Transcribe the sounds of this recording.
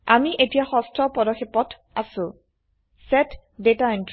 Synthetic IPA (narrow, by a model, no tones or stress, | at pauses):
amiʔetijaxɔstʰɔpɔdɔxepɔt | asʊ̃ | sɛt | detaint